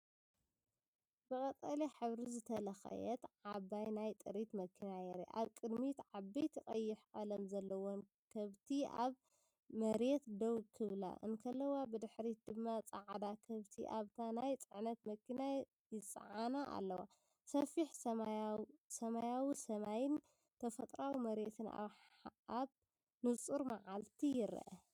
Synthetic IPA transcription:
bɨkʼɐt̪ʼaliħɨβɾizɨt̪ʰɐlɐxɐ̰jɛ̰t̪ʕabajnajt̪ʼɨɾit̪mɐkʰːinajɛɾḛʔa̰βkʼɨd̪mit̪ʕabːijt̪ʰɨχʼɐjːɪħʔʼɐlɐmzɐlːɐwon | kʰɐβt̪ʰia̰β | mɐɾet̪d̪owkʰɨβla̰ʔɨ̰nkʰɐlːɐwabɨd̪ɨħɾid̪ɨmːat͡sʼaʕd̪akʰɐβt̪ʰḭʔaβt̪ʰanajt͡sʼɨʕnɐt̪mɐkʰːina | jɪt͡sʼɨ̰ʕanaʔa̰lːɐwa | sɐfiħɐ | sɐmajawisɐmajɪn | t̪ʰɐfɐt̪ʼɾawimɐɾet̪ʰɨna̰β | aβ | nɨt͡sʼuɾmaʕalt̪ʰijɪɾɐ̰ʔɐ̰

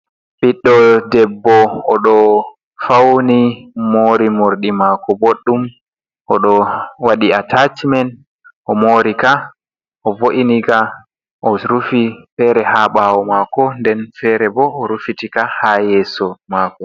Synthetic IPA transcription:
biɗːɔdɛbːɔɔɗɔ | fawnimoːɾimoɾɗimaːkɔboɗːum | ʔɔɗɔwaɗiatatimɛn | ʔɔmoːɾika | ʔɔvoʔiniɡa | ʔɔɾufifɛɾɛhaɓaːwɔmakɔndɛnfɛɾɛbɔɔɾufitikahajɛːsɔmakɔ

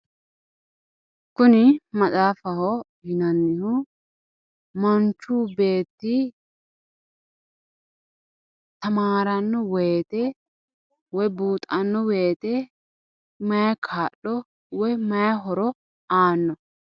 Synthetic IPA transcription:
kʊnɪmɐt͡sʼaːfɐhɔ | hɪnɐnːɪhʊ | mɐnt͡ʃːuːbe̞ːt̪ːɪ | t̪ɐmaːɾɐnːɔweːt̪ɛ | wɔjbuːt̪ʼɐnːɔweːt̪ɛ | mɐjɐkʰaːɗɔ | wɔjmɐjɐɦɔɾɔ | aːnːɔ

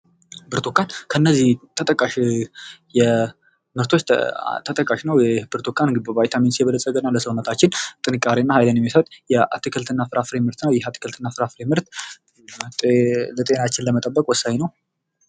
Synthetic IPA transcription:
bɨɾt̪ʰukːankʰəɨnːəzːiht̪ʰət̪ʼəkʼːaʃ | jɛ | mɨɾt̪ʰo̞t͡ʃ̪ːt̪ʰət̪ʼəkʼaʃnəwjbɨɾt̪ʰokʰːanɨɡ̪ibəvajt̪ʰaminsjɛβələsʼːəɡənːaləsəwnːət̪ʰat͡ʃːɪnt̪ʼɨnɨkʼaɾinːahajlənjɛmːisəwt̪ʼjɛa̰t̪ʰːikʰɨlt̪ʰɨnːafɨɾʔafɾemɨɾt̪ʰnəwjɛɦat̪ʰi̥kʰɨlt̪ɨnːafɨɾafɨɾemɨɾt̪ | t̪ʼlət̪ʼe̞nat͡ʃːɪnləmət̪ʼəbːəkʼwɔsːaɲinəw

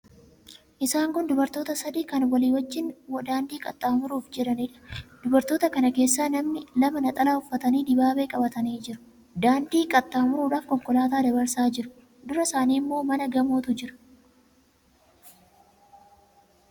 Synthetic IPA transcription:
ʔɪsaːŋkʊnd̪ʊbɐɾt̪o̞ːt̪ɐsɐd̪iːkɐnwɐliːwɐt͡ʃːɪnwɐd̪aːnd̪iːkʼɐt̪ʼːaːmʊɾuːfd͡ʒɛɾɐniːᶑɐ̥d̪̥ʊbɐɾt̪o̞ːt̪ɐkɐnɐke̞ːsːaːnɐmnɪlɐmɐnɐt̪ʼɐlaːʊfːɐt̪ɐniːd̪ɪbaːbe̞ːkʼɐbɐt̪ɐniːd͡ʒɪɾʊ̥ | d̪aːnd̪iːkʼɐt̪ʼːaːmʊɾuːɾaːfkɔŋkɔlaːt̪aːd̪ɐbɐɾsaːd͡ʒɪɾʊ̥ | d̪ʊɾɐsaːniːmːo̞ːmɐnɐɡɐmoːt̪ʊd͡ʒɪɾʊ̥

